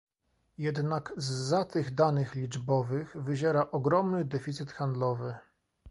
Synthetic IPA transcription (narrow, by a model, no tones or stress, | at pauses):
jɛd̪nakzːat̪ɘɣd̪anɘxlʲid͡ʐbɔvɘxvɘʑɛɾaʔɔɡɾɔmnɘd̪ɛfʲit̪sɘt̪xand̪lɔvɘ